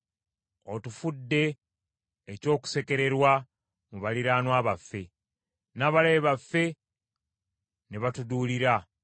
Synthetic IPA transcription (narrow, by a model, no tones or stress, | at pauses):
otufudːe̞ː | co̞ːku̥seke̞ɾe̞ɾwa | muβaliɾaːnwaːβafːe̞ | naβaleβafːe̞ | neβatuduːliɾa